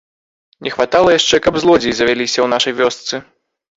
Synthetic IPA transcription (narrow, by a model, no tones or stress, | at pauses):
nʲɛxvat̪alˠɐjaʂt͡ʂɛkɐbzlˠɔd͡zʲijzɐvʲalʲisʲɐwnaʂɐjvʲɔst̪sɨ